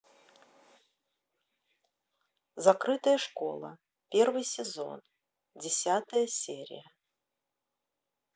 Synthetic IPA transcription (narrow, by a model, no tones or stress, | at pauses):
zɐkɾɨt̪əjəʂko̞̰lˠə̰ | pʲervɨjsʲɪzo̞̰n | dʲɪsʲat̪əjəsʲeɾʲɪ̰jə